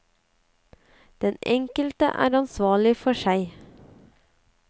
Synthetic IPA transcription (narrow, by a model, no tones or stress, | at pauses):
d̪̥ɛnʔɛŋkəlt̪ə̰ʔæ̰ːɾɑnsʋɑːɭɪfɔʃæɪ